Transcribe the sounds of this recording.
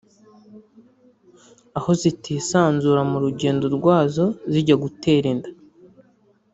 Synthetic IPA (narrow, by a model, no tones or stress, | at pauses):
aho̞zitiːsaːnzuːɾamuɾuɟe̞ːndo̞ɾɡwaːzo̞ziɟaɡute̞ːɾinda